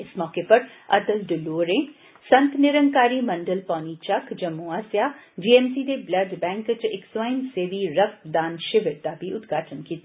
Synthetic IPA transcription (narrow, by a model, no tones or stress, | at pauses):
ɪsmɔːkepəɾ | ə̰t̪əlɖɪloːɾẽː | sə̃nt̪nɪɾəŋkaːɾiːmə̃ɳɖəlpãːniːt͡ʃəkd͡ʒəmũːaːsjaːd͡ʒiːɛːmsiːd̪eːbləɖbɛ̃ːŋkt͡ʃɪkswaːɪnseːʋiːɾəkd̪aːnʃɪʋɪɾd̪aːbiːʊt̪ɡaːʈʰənkiːt̪a